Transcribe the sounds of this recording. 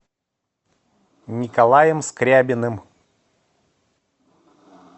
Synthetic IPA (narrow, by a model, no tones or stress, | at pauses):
nʲikalˠajəmskɾʲabʲɪnɨm